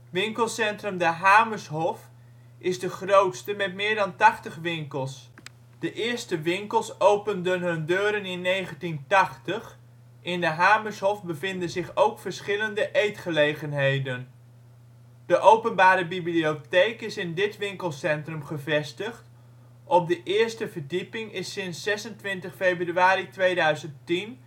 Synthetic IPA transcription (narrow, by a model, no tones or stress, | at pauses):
ʋɪŋkəlˠsɛntrɵmdəɦaːməɹsɦɔf | ɪzdəχrowtstəmɛtmɪːɹdɑntɑχtəχʋɪŋkəlˠs | d̥əʔɪːɹstəʋɪŋkəlˠsowpəndənɦɵndøːɾənɪnːejχəntintɑχtəχ | ɪndəɦaːməɹsɦɔfbəvɪndənzɪχowkfəɹsχɪləndəʔejtχəlejχənɦejdən | d̥əʔowpənbaːɾəbibliotejkɪsɪndɪtʋɪŋkəlˠsɛntrəmχəvɛstəχt | ʔɔp̚dəʔɪːɹstəvəɹdipɪŋɪsɪnsːɛsəntʋɪntəχfejbryaːɾitʋejdœɥzənttin